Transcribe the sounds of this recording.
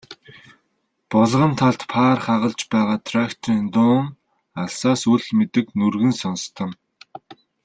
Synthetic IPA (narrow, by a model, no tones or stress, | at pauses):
pɔɮʁə̆nt̪ʰaɮt̪pʰaːrχaʁə̆ɮt͡ɕpæːʁaːt̪ʰrakt̪ʰriːnt̪ʊːŋ | aɮsaːsuɮmet̪ɘ̆knurɣɘ̆nsɔnst̪ʰə̆m